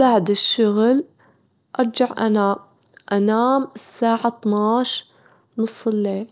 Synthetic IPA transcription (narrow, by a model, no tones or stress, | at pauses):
b̥aʕd̪ɪʃːʊɣl | ʔɑɾˤd͡ʒaʕʔa̰nam | ʔanaːmɪsːaːʕat̪ˤnɑːʃ | nʊsˤːɪlːeːl